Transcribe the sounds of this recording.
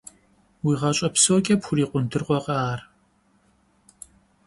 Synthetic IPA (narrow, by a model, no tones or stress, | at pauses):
wiːʁɐɕʼɐpsoːkʲʼɐpxʷʊɾiːqʷʊntʰɨrqʷɔqɐaːr